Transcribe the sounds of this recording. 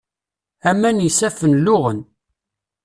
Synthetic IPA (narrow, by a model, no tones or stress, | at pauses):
æmːænjisæfənlʊʁən